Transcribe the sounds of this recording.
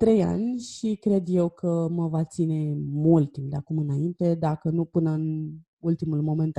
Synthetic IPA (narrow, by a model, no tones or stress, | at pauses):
t̪ɾe̞ja̰nʲʃikɾe̞d̪je̞wkʰəməvat̪sine̞mult̪ːimpd̪eakumɨnaint̪e̞d̪akənupɨnəɨn | ult̪imulmo̞me̞nt̪